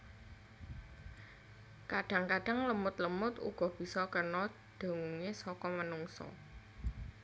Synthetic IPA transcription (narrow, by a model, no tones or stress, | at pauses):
kaɖ̥ä̤ŋkaɖ̥a̤ŋləmʊt̪ləmʊt̪ṵɡ̥ɔ̤b̥i̤sɔkənɔ | d̪̥ə̤ŋuŋesɔkɔmənuŋsɔ̰